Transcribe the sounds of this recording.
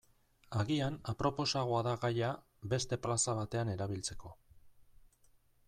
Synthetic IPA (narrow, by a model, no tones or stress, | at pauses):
aɣianapɾo̞po̞saɣ̞oaðaɣaja | be̞st̪e̞plasaβat̪e̞ane̞ɾaβ̞ilt͡se̞ko̞